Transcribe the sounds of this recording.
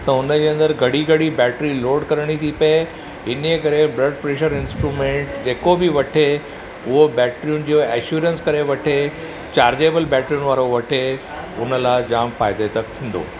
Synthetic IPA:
t̪ɐʊnəd͡ʑeːə̃nd̪əɾɡʱɐɽiɡʱɐɽibɛːʈɾiloːɖkɐɾəɽ̃it̪ʰipɐe | ɦɪnəekɐɾebɾɐɖ̚pɾeːʃəɾɪ̃nsʈɾuːmẽːɳʈd͡ʑeːkobɪʋɐʈʰe | ʊɦobɛːʈɾijʊnd͡ʑeɛːʃuːɾə̃nskɐɾeʋɐʈʰe | t͡ɕaːɾd͡ʑeːbəlbɛːʈɾiunʋaːɾoʋɐʈʰe | ʊnə̆laɪd͡ʑaːmfaːɪd̪et̪ɐkt̪ʰĩːn̆d̪o̰ː

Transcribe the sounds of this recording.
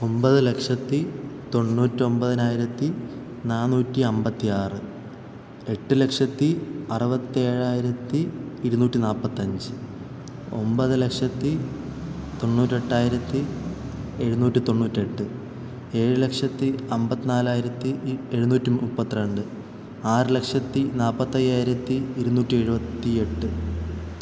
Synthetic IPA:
o̞mbɐðɨle̞kʂɐt̪ːit̪o̞ɳːuːtːio̞mbɐðɐnaːjiɾɐt̪ːi | naːnuːtːiɐmbɐt̪ːiaːrɨ | e̞ʈːɨle̞kʂɐt̪ːiɐrɨbɐt̪ːie̞ːɻaːjiɾɐt̪ːiːɾunuːtːinaːlpːɐt̪ːɐɲd͡ʑɨ | o̞̰mbɐðɨle̞kʂɐt̪ːi | t̪o̞ɳːuːtːeʈːaːjiɾɐt̪ːi | e̞ɻunuːtːit̪o̞ɳːuːtːie̞ʈːɨ | e̞ːɻɨle̞kʂɐt̪ːiɐmbɐt̪ːinaːlaːjiɾɐt̪ːie̞ɻunuːtːuupːɐt̪ːiɾɐɳɖɨ | aːrɨle̞kʂɐt̪ːinaːlpːɐt̪ːɐjːaːjiɾɐt̪ːiːɾunuːtːie̞ɻubɐt̪ːie̞ʈːɨ

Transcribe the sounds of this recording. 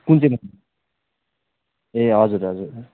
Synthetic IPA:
kunt͡sʰemʌ | eɦʌd͡zuɾɦʌd͡zuɾ

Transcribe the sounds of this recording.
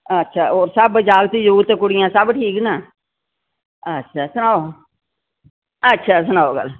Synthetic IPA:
ətːʃʰaːoːɾsəbd͡ʒaːɡt̪iːd͡ʒuːt̪ekʊɽɪjãːsəbʈʰiːknaː | ətːʃʰaːsʊnaːo | ətːʃʰaːs̬ʊnaːoɡə̰l

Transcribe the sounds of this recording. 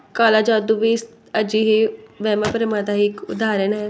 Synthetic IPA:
kaːlaːd͡ʒaːd̪uʋiːs | əd͡ʒiːɦiːʋɛːmãːpəɾɪmaːd̪aːɦiːkʊd̪aːɾənɦɛː

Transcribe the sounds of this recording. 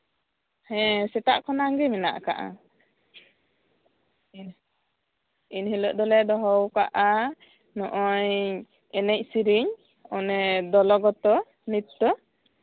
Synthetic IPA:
hɛ̃sɛt̪aʔkʰɔnaŋɡɛmɛna̰ʔka̰ʔa̰ | inhilɔʔd̪ɔlɛd̪ɔɦɔwkaʔa | nɔʔɔɲ | ɛnɛc̚ˀsiɾiɲ | ɔnɛd̪ɔlɔɡɔt̪ɔ | nit̪ːɔ

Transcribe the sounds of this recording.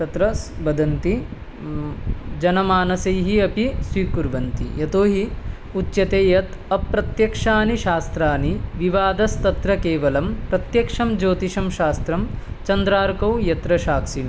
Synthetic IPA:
t̪ɐt̪ɾɐsbɐd̪ɐnt̪i | d͡ʒɐnɐmaːnɐsɐjɦiɐpisʋiːkuɾʋɐnt̪ḭjɐt̪oːɦi | utːʃɐt̪eːjɐt̪ | ɐpːɾɐt̪jɐkʂaːniʃaːst̪ɾaːniʋiʋaːd̪ɐst̪ɐt̪ɾɐkeːʋɐlɐmpɾɐt̪jɐkʂɐmd͡ʒoːt̪iʃɐmʃaːst̪ɾɐm | t͡ʃɐnd̪ɾaːɾkɐwjɐt̪ɾɐʃaːksinɐ

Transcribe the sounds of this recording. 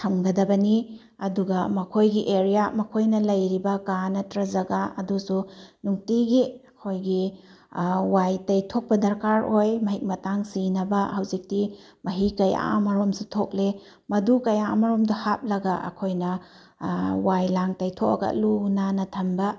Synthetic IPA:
tʰɐmɡɐdɐbɐni | ɐduɡɐmɐkʰojɡiʔeɾijamɐkʰojnɐlɐjɾibɐkanɐtɾɐzɐɡaɐdusunuŋtiɡiɐkʰojɡi | wajtɐjtʰok̚pɐdɐɾkaɾojmɐɦik̚mɐtaŋsinɐbɐhɐwzik̚ti | mɐɦikɐja̰mɐɾomsitʰok̚le | mɐdukɐjamɐɾomdɐhap̚lɐɡɐʔɐ̰kʰojnɐ | wajlaŋtɐjtʰok̚ɐ̰ɡɐ̰lunanɐtʰɐmbɐ

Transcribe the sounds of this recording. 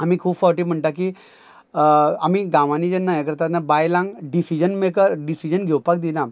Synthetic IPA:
amiːkʰuːpfəʈiːm̤əɳʈak̬i | amiːɡãʋaniːd͡zenːajekəɾt̪at̪nabajlãŋɡɖisid͡ʑənmekəɾɖisid͡ʑənɡʱewpak̚d̪ina

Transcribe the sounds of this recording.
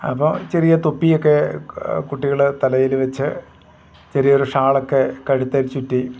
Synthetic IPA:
ɐ̰pːɐmt͡ɕerijɐt̪opːijokːe̞kuʈːiɣɐɭt̪ɐlɐjilʋɐt͡ɕːɨ | t͡ɕerijoɾuʂaːɭokːe̞kɐɻut̪ːɐɾt͡ɕutːi

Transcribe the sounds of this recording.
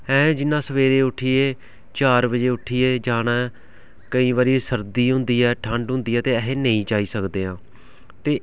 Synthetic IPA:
ɛ̃ːd͡ʒɪnːãːsəʋeːɾeːʊʈʰiːeː | t͡ʃaːɾbəd͡ʒeːʊʈʰiːeːd͡ʒaːnãː | kəĩːʋaːɾiːsəɾd̪iːɦʊ̃nd̪iːɛːʈʰə̃ɳɖɦʊ̃nd̪iːɛːt̪eːɛɦeːnəĩːd͡ʒaːiːsəkd̪eːɦãː | t̪eː

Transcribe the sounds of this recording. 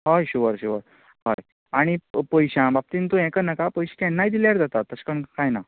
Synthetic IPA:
ɦojɕuʋəɾɕuʋəɾ | ɦaj | aɽ̃ipəjɕãbap̚t̪int̪ũɛ̃kənakapəjɕi̥kɛnːajd̪iljaɾd͡zat̪at̪ːəɕkəɳkajna

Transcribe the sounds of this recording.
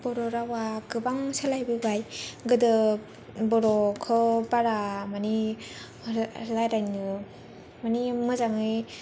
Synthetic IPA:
b̥ɔɾɔɾawaɡɯbaŋsalajbɯbajɡɯdɯ | bɔɾɔkʰɯbaɾamani | lajɾajnɯ | manimɯzaŋɯj

